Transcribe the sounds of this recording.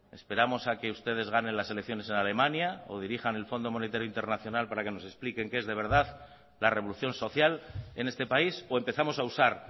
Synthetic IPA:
e̞spe̞ɾamo̞sake̞ust̪e̞ð̞e̞zɣane̞nlase̞lekθjo̞ne̞se̞nale̞mãnjao̞̰ð̞iɾiχane̞lfo̞nd̪o̞mo̞net̪aɾjoint̪e̞ɾnaθjo̞nalpaɾake̞no̞se̞splike̞ŋke̞zðe̞βe̞ɾð̞að | lare̞β̞o̞luθjo̞nso̞θjale̞ne̞st̪e̞paiso̞e̞mpe̞θamo̞sausaɾ

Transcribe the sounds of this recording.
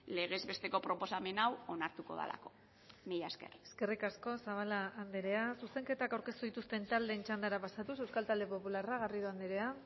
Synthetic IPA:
le̞ɣezβe̞st̪e̞ko̞pɾo̞po̞same̞nawo̞naɾt̪uko̞̰ða̰la̰ko̞̥ | miʎaske̞̰re̥ske̞rikasko̞saβ̞alaːnd̪eɾe̞asuse̞ŋke̞t̪akawɾke̞st̪uð̞it̪ust̪e̞nt̪ald̪e̞ːnt͡ʃand̪aɾapasat̪us̬e̞wskalt̪ald̪e̞po̞pularaɣ̞ariðuand̪eɾe̞a

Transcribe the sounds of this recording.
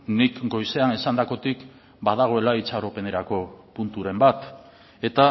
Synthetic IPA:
nikɡo̞jse̞ane̞sand̪ako̞t̪ik | baðaɣ̞o̞e̞lait͡saɾo̞pe̞ne̞ɾako̞punt̪uɾe̞mbat̪ | e̞t̪a

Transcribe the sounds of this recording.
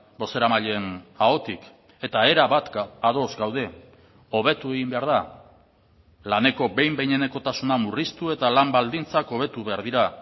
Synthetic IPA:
bo̞se̞ɾamaʎe̞nao̞t̪ik | e̞t̪ae̞ɾaβat̪aðo̞zɡawð̞e̞ | o̞β̞e̞t̪ue̞ɣimbe̞aɾð̞a | lane̞ko̞be̞jmbe̞jɲe̞ne̞ko̞t̪asunamurist̪ue̞t̪alambald̪int͡sako̞β̞e̞t̪uβe̞aɾðiɾa

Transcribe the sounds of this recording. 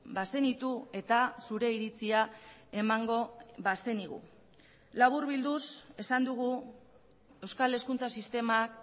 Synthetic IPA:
base̞nit̪ue̞t̪asuɾe̞iɾit͡siae̞maŋɡo̞βase̞niɣṵ | laβuɾβild̪use̞sand̪uɣ̞u | e̞wskale̞skunt͡sasist̪e̞mak

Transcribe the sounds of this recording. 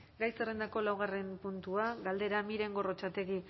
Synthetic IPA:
ɡajsere̞nd̪ako̞lawɣ̞are̞mpunt̪uaɡald̪e̞ɾamiɾe̞ŋɡo̞ro̞t͡ʃat̪e̞ɣi

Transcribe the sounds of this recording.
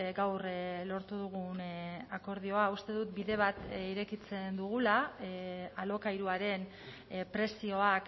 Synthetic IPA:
ɡawrlo̞ɾt̪uðuɣ̞unako̞ɾðio̞aust̪e̞ðut̪biðe̞β̞at̪iɾe̞kit͡se̞nd̪uɣ̞ula | alo̞kajɾuaɾe̞n | pɾe̞sio̞ak

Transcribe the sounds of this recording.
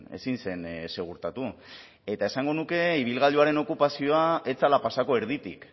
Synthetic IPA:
e̞̰sinse̞nse̞ɣ̞uɾt̪at̪u | e̞t̪ae̞saŋɡo̞nuke̞iβ̞ilɣaʎuaɾe̞no̞kupasio̞ae̞t͡salapasako̞e̞ɾðit̪ḭk

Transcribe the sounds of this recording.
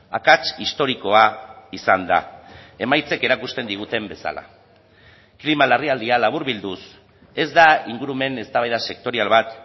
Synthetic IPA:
a̰kat͡ʃist̪o̞ɾiko̞aisand̪a̰e̞majt͡se̞ke̞ɾakust̪e̞nd̪iɣ̞ut̪e̞mbe̞sa̰la̰ | klimalariald̪ialaβ̞uɾβild̪us | e̞zd̪aiŋɡuɾume̞ne̞st̪aβajðase̞k̚t̪o̞ɾialβat̪

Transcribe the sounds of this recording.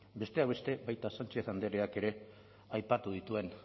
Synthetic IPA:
be̞st̪e̞aβe̞st̪e̞βajt̪asant͡ʃeθand̪eɾeake̞ɾe̞ | ajpat̪uð̞it̪ue̞n

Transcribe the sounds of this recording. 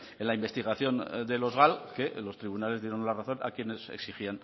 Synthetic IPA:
enlaimbe̞st̪iɣaθjo̞nd̪elo̞zɣalkelo̞st̪ɾiβunale̞zðje̞ɾo̞nlaraθo̞na̰kjene̞sḛksixian

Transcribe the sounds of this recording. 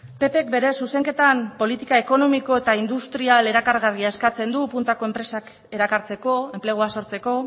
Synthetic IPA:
pe̞pe̞k̚be̞ɾe̞suse̞ŋke̞t̪ampo̞lit̪ikae̞ko̞no̞miko̞e̞t̪aind̪ust̪ɾiale̞ɾakaɾɣariae̞skat͡se̞nd̪upunt̪ako̞empɾe̞sak | e̞ɾakaɾt͡se̞ko̞e̞mple̞ɣ̞uaso̞ɾt͡se̞ko̞

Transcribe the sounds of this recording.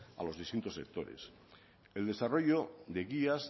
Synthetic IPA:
a̰lo̞zðist̪int̪o̞sek̚t̪o̞ɾḛs | eld̪e̞saro̞ʝo̞ðe̞ɣias

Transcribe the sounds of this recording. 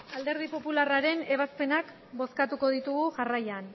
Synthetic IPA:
ald̪e̞ɾð̞ipo̞pularaɾe̞ne̞β̞aspe̞nak | bo̞skat̪uko̞ð̞it̪uɣuʝarajan

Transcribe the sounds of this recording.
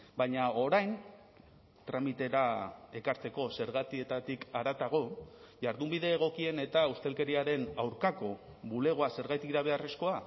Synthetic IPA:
baɲao̞ɾajn | t̪ɾamit̪e̞ɾae̞kaɾt͡se̞ko̞se̞ɾɣ̞at̪ie̞t̪at̪ikaɾat̪aɣ̞o̞ʝaɾðumbiðe̞ːɣ̞o̞kie̞ne̞t̪aust̪e̞lke̞ɾiaɾe̞nawɾkako̞ | βule̞ɣ̞o̞ase̞ɾɣajt̪iɾaβ̞e̞are̞sko̞a

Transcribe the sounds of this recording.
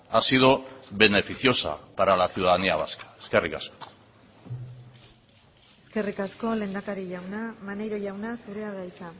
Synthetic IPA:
asiðo̞βe̞ne̞fiθjo̞sa̰paɾalasjuðaneaβaskḁe̞̥ske̞rika̰sko̥ | eske̞rikasko̞le̞nd̪akaɾiʝawnamanejɾo̞ʝawnasuɾeaɣajt͡sa

